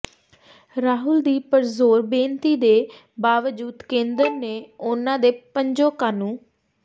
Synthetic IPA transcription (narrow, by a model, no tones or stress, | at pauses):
ɾaːɦʊld̪iːpəɾzoːɾbẽːnt̪iːd̪eː | baːʋd͡ʒuːd̪kẽːnd̪əɾneːʊnãːd̪eːpəɲd͡ʒõːkaːnũː